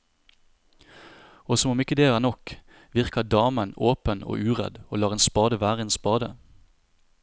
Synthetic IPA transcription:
oːsɔmɔmɪkəd̪eːæːnɔk | ʋɪʁkɑd̪ɑːmənoːpəno̰ːʔʉːʁɛ̰d̪oːlɑːʁeːnspɑːd̪əʋæːʁəeːnspɑːd̪ə

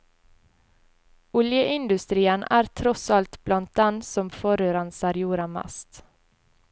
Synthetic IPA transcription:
ʊljəʔɪnd̪ʉst̪ɾiːənæ̰ːɾt̪ʰɾɔsɑlt̪blɑnt̪̚d̪ɛnsɔmfɔɾøːɾɑnsɑɾjuːɾɑmæ̰st̪

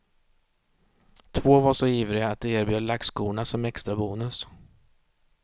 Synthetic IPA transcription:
t̪ʰvoːvaʂɔiːvɾɪaːt̪̚d̪ɛeːɾbjøːd̪ɭakskuːnasɔmɛkst̪ɾabuːnɵs

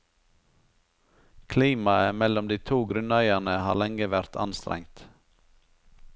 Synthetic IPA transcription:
kʰliːmɑəmɛlɔmd̪iːt̪ʰuːɡɾʉnæɪænəhɑ̰ːlɛŋəʋæɾt̪ʰɑ̰nst̪ɾʔɛ̰ŋt̪

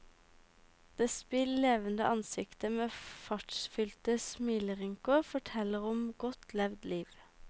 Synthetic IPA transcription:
d̪̥eːspɪlleːʋənd̪ə̰ʔɑnsɪkt̪əmeːfɑʈʃfʏlt̪əsmiːləʁɪŋkʊfɔʈʰɛləʁɔmɡɔt̪lɛʋd̪liːʋ

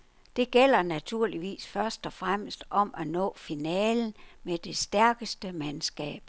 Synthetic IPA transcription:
d̥e̝ɡ̥el̰ɐnæt͡sʰuɐ̰liʋḭːsfɶɐsd̥ɒ̽fʁam̰sd̥ɒ̽mænɔ̰̽ːfinɛːln̩med̥e̝sd̥æɐɡ̥əsd̥əmænsɡ̥ɛ̰ːb̥

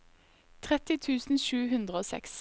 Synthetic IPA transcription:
t̪ʰʁɛt̪ɪt̪ʰʉːsn̩ʃʉːhʉnd̪ʁəoːsɛ̰ks

